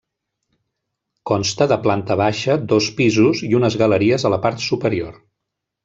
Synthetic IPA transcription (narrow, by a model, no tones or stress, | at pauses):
kɔnst̪əðəplant̪əβ̞aʃəd̪ospizuziunəzɣələɾiəzələpaɾt̪supəɾioɾ